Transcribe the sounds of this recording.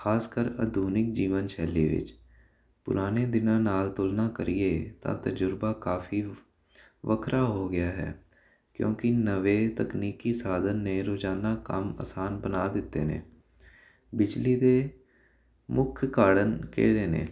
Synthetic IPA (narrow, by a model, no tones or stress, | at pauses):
xʰaːskəɾə̰d̪ʱuːnɪk̚d͡ʒiːʋənʃʰɛːliːʋɪ̰t͡ʃ | pʊ̰ɾaːneːd̪ɪnãːnaːlt̪ʊlnaːkəɾiːeːt̪ã̰ːt̪əd͡ʒʊɾbaːkaːfʰiː | ʋəkʰɾaːɦoːɡɪjaːɦɛ̰ː | kjõ̰ːkɪnəʋeːt̪əkniːkiːsaːd̪ənːeːɾoːd͡ʒaːnaːkəmə̰saːnbənaːd̪ɪt̪ːḛːnḛ̃ː | bɪd͡ʒliːd̪eː | mʊkʰkaːɽənkḛːɽeːnḛ̃ː